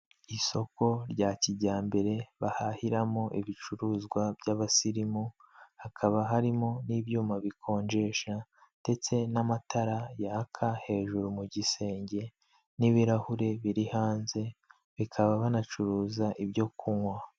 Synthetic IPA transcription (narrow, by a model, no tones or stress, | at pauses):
iso̞ko̞ɾɟaːciɟaːmbe̞ɾe̞βahahiɾamo̞ʔiβit͡ʃuɾuzɡwabɟaβasiɾimu | hakʰaβaɦaɾimo̞niβjuːmaβikʰo̞ːɲd͡ʒe̞ʃa | d̥e̞t͡se̞namatʰaɾajaːkʰahe̞ːʒuɾumuɟise̞ːɲɟe̞ | niβiɾahuɾe̞βiɾihaːnze̞ | βikʰaβaβanat͡ʃuɾuːzaʔibjo̞kʰuŋwa